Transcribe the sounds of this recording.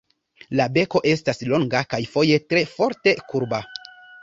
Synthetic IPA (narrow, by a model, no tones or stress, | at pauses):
labe̞ko̞ʔe̞staslo̞ŋɡakajfo̞je̞tɾe̞fo̞ɾte̞kuɾba